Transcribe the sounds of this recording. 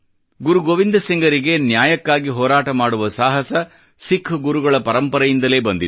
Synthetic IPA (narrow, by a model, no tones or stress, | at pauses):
ɡuɾuɡoːʋind̪ɐsiŋɡɐɾiɡe̞njaːjɐkːaːɡiɦɔːɾaːʈɐmaːɽuʋɐsaːɦɐsɐ | sikʰːɡuɾuɡɐɭɐpɐɾɐmpɐɾɐjind̪ɐle̞ːbɐnd̪it̪